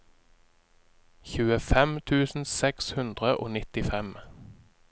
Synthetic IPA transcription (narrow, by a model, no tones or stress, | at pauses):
çʉːəfɛmt̪ʰʉːsn̩sɛkshʉnd̪ʁəʔo̰ːnɪt̪ɪfɛm